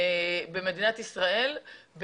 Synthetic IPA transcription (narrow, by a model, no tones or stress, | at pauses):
beme̞d̪inat̪isʁae̞lb